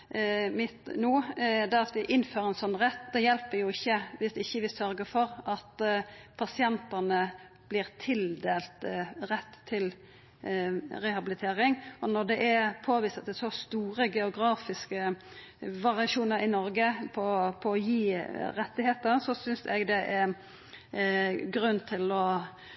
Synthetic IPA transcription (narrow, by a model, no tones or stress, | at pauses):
mɪt̪nuːd̪ɛɑt̪ʋɪʔɪnːføːɾəɛnsɔnːɾɛt̪ːd̪ɛjɛlpəɾjʊɪçːəʋɪsd̪ɪçːəʋɪsœɾɡəfɔɾɑt̪pʰɑsɪɛnt̪ənə | b̥lɪːʁt̪ʰɪld̪eːlt̪ɾɛt̪ʰːɪl | ɾɛhɑbɪlɪt̪ʰeːɾɪŋɔnɔʁd̪ɛʔɛpʰoːʋiːst̪ət̪d̪ɛsɔst̪uːɾəɡɛʊɡɾɑːfɪskə | ʋɑʁɪɑʃuːnəɾɪnɔɾɡəpʰɔpʰɔːjiːɾɛt̪ːɪheːt̪əɾsɔsʏnsɛ̰ɡd̪ɛʔɛ | ɡɾʉnːt̪ʰɪlɔ